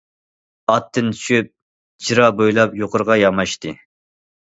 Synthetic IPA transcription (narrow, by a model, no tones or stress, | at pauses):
ɑt̪ːɨnt̪ʰy̥ʃyp̚ | d͡ʒʰiɾɑbojlˠɑpjoqʰəɾʁɑjɑmɑʃt̪ɨ